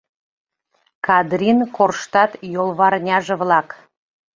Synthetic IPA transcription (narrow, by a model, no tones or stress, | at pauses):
kɑd̪rʲinkorʃt̪ɑt̪jolˠβɑrnʲɑʒə̆βlˠɑk